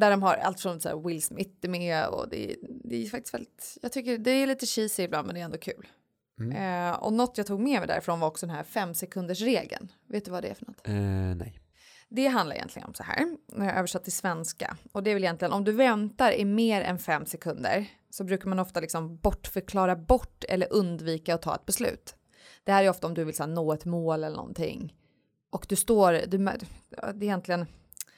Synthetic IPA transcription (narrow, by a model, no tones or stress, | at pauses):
d̪æɖɔmɦaɾa̰lt̪fɔmsæ̰wɪlsmɪt̪ːɪmɛɔ̰d̪ɛ̰d̪ɛfakt̪ɪ̥st̪vɛ̰lɪt̪jɑːt̪ʰʏkːəd̪ɛːliːt̪əɕiːsɪɪbland̪mɛnd̪ɛɾɛnd̪oɔkʰʉ̟ːl | ɔ̰nɔt̪ːjɑt̪ʰuːɡmɛːmɛjd̪æ̰ɾɪfɾoːnvaɾɔksɔd̪ɛnhæɾfɛmːsɛkʰɵnd̪əʂɾeːɡə̰n | veːt̪d̪ɵvad̪ɛ̰æ̰ɾfœɳnɔt̪ːnɛ̰j | d̪ɛɦanlaɾɪjɛ̰nlɪɡə̰nɔmsɔhæ̰ːɾnæɾjaʔøːvəʂat̪ʰːɪlsvɛnska̰ɔd̪ɛvɪljɛnt̪lɪɡənɔmd̪ɵvɛnt̪aɾɪmeːɾɛ̰nfɛmːsɛkʰɵnd̪ə̰ɾ | sɔbɾʉ̟ːkaɾmanɔft̪alɪksɔmbɔʈːfœɾkʰlɑːɾabɔʈːɛ̰lːəɾʔɵnd̪viːkaɔt̪ʰɑ̰ːɛ̰t̪̚bɛslʉ̟̰ːt̪ | d̪̥ɛhæːɾæɾjɔft̪aɔmd̪ɵvɪlsɛnoːɛt̪moːlɛləɳnɔ̰nt̪ʰɪ̰ŋ | ʔɔkd̪ɵst̪oːɾd̪ɵm̰d̪ɛjɛnt̪ʰlɪɡən